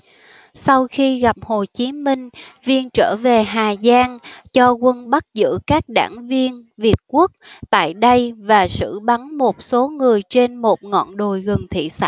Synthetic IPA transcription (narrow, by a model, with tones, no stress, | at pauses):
sa˧wxi˧ɣa˨˩p̚ho˨˩t͡ɕi˨˦mï˧ŋ̟vi˧ənt͡ɕəː˧˩ve˨˩ɦaː˨˩zaː˧ŋt͡ɕɔ˧kwə˧nɓa˦˥t̚zɨ̰˧˥kaː˦˥k̚ɗa̰ː˧˩ŋvi˧ənvi˨˩ət̚ku˦˥ək̚t̪a̰ː˧˨jɗə˧jvaː˨˩sɨ̰˧˥ɓa˨˦nmo˨˩t̚so˨˦ŋɨ˨˩əjt͡ɕe˧nmo˨˩t̚ŋɔ̰˧˨nɗo˨˩jɣə˨˩nt̪ʰḭ˧˨sa̰˧˥˨